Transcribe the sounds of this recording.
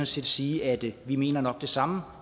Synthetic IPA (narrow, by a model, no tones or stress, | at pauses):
ɔ̽nse̝̰ːd̥siːæd̥ʋime̝̰ːnɐnɒ̽ɡ̥̚d̥e̝sɑ̈mə